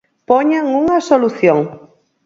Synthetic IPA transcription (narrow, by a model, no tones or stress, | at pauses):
poɲaŋuŋasoluθjõŋ